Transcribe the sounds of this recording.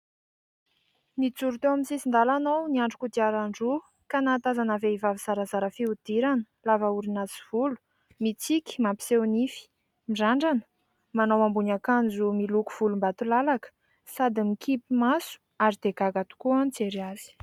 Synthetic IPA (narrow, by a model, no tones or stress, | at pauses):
nit͡suɾut̪ewaminsisind̪alanowniaɳɖ͡ʐukud̪iaɾaɳɖ͡ʐu | kanaːt̪azanaveivaviz̥aɾazaɾəfiud̪̥iɾanə̥lavauɾinat͡si̥v̥ulu̥ | mit͡sikʲi̥mampi̥sewnifi̥ | miɖ͡ʐaɳɖ͡ʐanə | manowambunakand͡zumiluku̥v̥ulumbat̪ulalakə̥ | sad̪imikʰipimasu̥ | aɾid̪̥eɡaɡat̪u̥kuant͡seɾiaz̥i̥